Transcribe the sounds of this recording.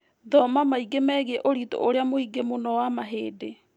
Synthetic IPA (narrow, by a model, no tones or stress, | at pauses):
ðɔmamaiɡemɛːɣɛʔoɾiːto̰ʔoɾeamoiɡemonɔwamaɦeːde